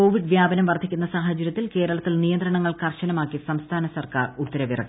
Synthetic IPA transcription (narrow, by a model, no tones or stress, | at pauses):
o̞ːʋiɖʋjaːbɐnɐmʋɐrt̪ʰikʲːunːɐsaːɦɐt͡ɕːɐɾjɐt̪ːilke̞ːɾɐɭɐt̪ːilnijɐnd̪ɾɐɳɐŋːɐɭkɐrɕɐnɐmaːkːisɐmst̪ʰaːnɐsɐrka̰ːrut̪ːɐɾɐʋirɐ̰kː